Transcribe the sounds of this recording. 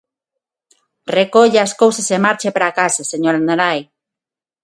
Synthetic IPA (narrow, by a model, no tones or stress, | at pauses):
rekoʎeaskowsasemaɾt͡ʃepɾakaseseɲoɾanɾaj